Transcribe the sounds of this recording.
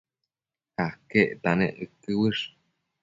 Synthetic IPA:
kakeʔt̪anḛʔɨkɨwɨʂ

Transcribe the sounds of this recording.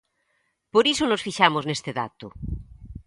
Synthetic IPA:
poɾisonosfiʃamoznest̪eða̰t̪o

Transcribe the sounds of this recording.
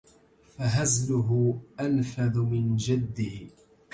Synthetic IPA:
faɦazlʊɦʊʔalfaðʊmɪnd͡ʒad̪ːɪː

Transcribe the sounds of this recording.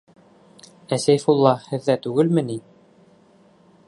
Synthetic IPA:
æsæjfulˠːɑhɘ̆ðːæt̪ʉɡɘlmɘni

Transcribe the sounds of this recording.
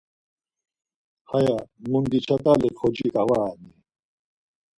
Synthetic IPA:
hɐjamund̪it͡ɕʰɐt̪alekʰod͡ʑikawani

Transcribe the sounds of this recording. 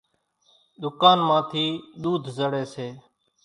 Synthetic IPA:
ɗ̪ʊkaːnmãːt̪ʰiːɗ̪uːd̪ʱzəɽeːseː

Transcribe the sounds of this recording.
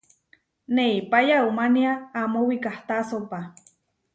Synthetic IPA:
neipajaumaniaːmowikaht̪asopa

